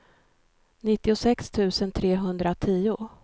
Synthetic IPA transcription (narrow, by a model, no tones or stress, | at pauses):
nɪt̪ːɪʊsɛkst̪ʰʉ̟ːsənt̪ʰɾeːɦɵnd̪ɾat̪ʰiːʊ